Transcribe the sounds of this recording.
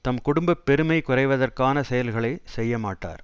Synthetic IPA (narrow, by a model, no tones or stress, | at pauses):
t̪ɐmkʊɽʊmbɐpːɛɾɯmɐɪkʊrɐɪʋɐðɐrkaːnɐsɛjɐlɣɐɭɐɪsɛjːɐmaːʈːa̰ːɾ